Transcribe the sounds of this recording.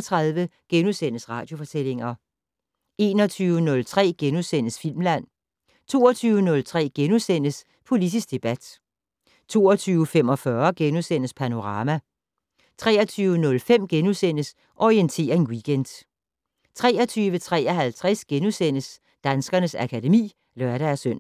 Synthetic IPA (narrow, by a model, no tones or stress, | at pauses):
t͡sʰʁɑ̈ðˠʋəɡ̥enusen̰əsʁɑ̈ːd̥jo̝fɒ̽t͡sʰel̰e̝ŋɐ | ʔe̝̰ːnɒ̽t͡sʰyːʊənɔ̽lt͡sʰʁɛ̰ːɡ̥enusen̰əsfil̰mlæn̰ | t͡sʰo̝ːɒt͡sʰyːʊənɔ̽lt͡sʰʁɛ̰ːɡ̥enusen̰əs | pʰo̝lidʰisɡ̥̚d̥e̝b̥æd̥ | t͡sʰo̝̰ːɐt͡sʰyːʊəfem̰ɒ̽fɶɐɡ̥enusen̰əspʰæno̝ʁɑ̈ːmæ | t͡sʰʁɛ̰ːɐt͡sʰyːʊənɔ̽lfem̰ɡ̥enusen̰əs | ʔɒient͡sʰe̝̰ːɐe̝nwiɡ̥ʰend̥ | t͡sʰʁɛːɐt͡sʰyːʋət͡sʰʁɛ̰ːɐɦælt͡sʰʁɛsɡ̥enusen̰əs | d̥ænsɡ̥ɐnəsækʰæde̝mḭː | lœɐɾ̥ææɐsøn̰